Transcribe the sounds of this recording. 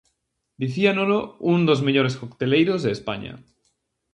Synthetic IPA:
d̪iθianolound̪ozmeʎoɾeskokt̪elejɾozðeːspa̰ɲa̰

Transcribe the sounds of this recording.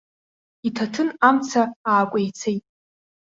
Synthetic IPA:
itʰatʰɨnamt͡sʰaaːkʷʼejt͡sʰejtʼ

